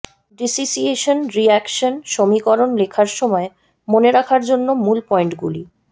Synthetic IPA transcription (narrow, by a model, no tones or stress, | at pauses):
ɖisisieʃonɾiɛkʃonʃomikɔɾonlekʰaɾʃɔmɔe | moneɾakʰaɾd͡ʑonːomulpɔeɳʈɡulḭ